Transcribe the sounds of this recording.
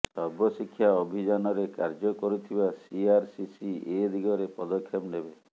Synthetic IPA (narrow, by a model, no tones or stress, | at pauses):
sɔɾbɔsikʰːjaɔbʱid͡ʒanɔɾekaɾd͡ʒɔkɔɾut̪ʰibasiaɾsisied̪iɡɔɾepɔd̪ɔkʰːjɔpnebe